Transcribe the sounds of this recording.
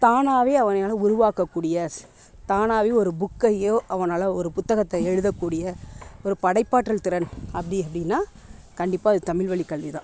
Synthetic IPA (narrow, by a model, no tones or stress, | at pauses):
t̪aːnaːʋeːɐʋɐnɐnaːlɐʊɾʊʋaːkɐkːuːɽɪjɐ | t̪aːnaːʋeːɔɾɯbʊkːɐjoʔɐʋɐnaːlɐɔɾɯpʊt̪ːɐɣɐt̪ːɐɛɻɯðɐkːuːɽɪjɐɔɾɯpɐɽɐɪpːaːʈːɾɐlt̪ɪɾɐnɐpːɐɽɪɐpːɐɽɪnːaː | kɐɳɖɪpːaːɐðɯt̪ɐmɪɭʋɐɭikːɐɭʋɪðã̰ː